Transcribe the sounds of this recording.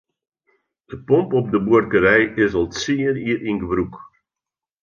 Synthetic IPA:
d̥əpɔmpɔp̚dəburkəɾɛjɪsɔlˠsiəniəɾinɡəʋruk

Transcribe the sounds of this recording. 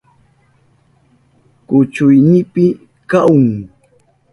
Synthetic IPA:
kʊt͡ʃʊjnɪpɪ | kaʊŋ

